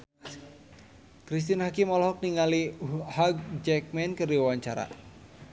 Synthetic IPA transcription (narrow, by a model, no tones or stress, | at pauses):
kɾis̬t̪inhakimɔlɦɔk̚niŋalihaɡ̚d͡ʒɛk̚mɛnkɨrdiwaɲt͡ʃaɾa̰